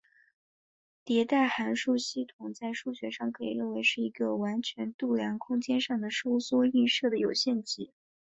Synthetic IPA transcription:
t̪jɛ˧˥t̪a˥˩ɪxa˧˥nʂu˥˧ɕi˥˩t̪ʰʊ˨˩ŋt͡sa˥˧ɪʂu˥˩ɕɥɛ˧˥ʂɑ˥˩ŋkʰɤ˧˥ḭ˨˩ɻə˥˩nwe˧˥ɪʂɻ̩˥˩i˧˥ɡə˧wa˧˥nt͡ɕʰɥɛ˧˥nt̪u˥˩ljɑ˧˥ŋkʰʊ˥ŋt͡ɕjɛ˥nʂɑ˥˩ŋd̪ə˩ʂo˥ʊswɔ˥y˥˧nʂɤ˥˩d̪ə˩jo˨˩ʊɕjɛ˥˧nt͡ɕi˧˥

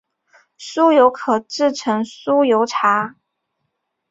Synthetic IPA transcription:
su˥jo˧˥ʊkʰɤ˨˩ʈ͡ʂɻ̩˥˩ʈ͡ʂʰɤ˧˥ŋsu˥jo˧˥ʊʈ͡ʂʰa˧˥

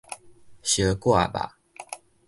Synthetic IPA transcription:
ɕə˨˦kwa̰˥˨ba̰˨

